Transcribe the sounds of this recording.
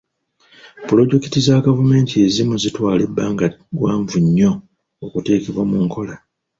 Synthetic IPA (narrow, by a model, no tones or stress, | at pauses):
pulo̞ɟe̞ki̥tizaɡavume̞ːntie̞zimuzitwaːle̞bːaːŋɡaɡwaːɱvuɲːo̞ː | kute̞ːkeβwamuŋkʰo̞la